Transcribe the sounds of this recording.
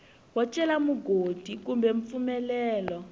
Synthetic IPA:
wat͡ʃʼɛlamuɡʱod̥ʱikumbɛɱp̪fumɛlɛːlɔ

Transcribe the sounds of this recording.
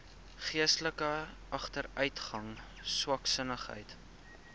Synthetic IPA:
χiəstləkə | ʔɐχtəɾœɥtχɐŋ | swɐksənəχɦə̰jt

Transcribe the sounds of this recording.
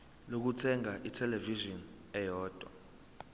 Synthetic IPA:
lok̬utʰɛŋaʔitʰɛlɛviʒɔn | ɛjɔːd̥ʱwa̰

